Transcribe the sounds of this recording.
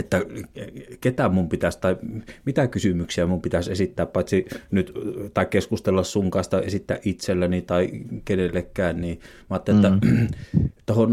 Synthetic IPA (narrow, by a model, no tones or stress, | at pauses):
et̪ːæ | ket̪æmumpit̪æst̪ɑˑimit̪ækysymyksiæmumpit̪æsesit̪ːæːppɑˑit̪ʲsinyt̪t̪ɑˑikkeskust̪elːɑssuŋkɑˑest̪ɑesit̪ːæ̰ːʔʔit̪selːænit̪ɑˑikenelːekːˑæˑːnniː | mɑːˑt̪ːelet̪ːæ | t̪ohon